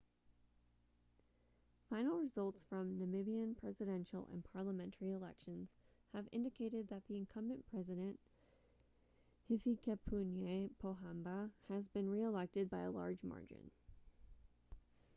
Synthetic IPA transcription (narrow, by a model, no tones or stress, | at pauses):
fãɪ̃nl̩ˠɹɨzʌlˠtsfɹʌ̃mnɨmɪbiɨ̃npʰɹ̥ɛzɨɾɛ̃nʃl̩ˠə̰̃npʰɑɹləmɛ̃ntʰə˞iəlɛ̰kʃɨ̃nz̥ɨvɪ̰̃ndɨkʰeɪɾɨd̪̚ðɨt̪̚ðiɨ̃nkʰʌ̃mbɨ̃npʰɹ̥ɛzɨɾɨ̃nʔ | hɪfikʰɛpʰunjepʰoʊɦãmbəɨzbɨ̃nɹiəlɛk̚tɨd̚baɪə̰lɑ̰ɹd͡ʒmɑ̰ɹd͡ʒɨ̰̃n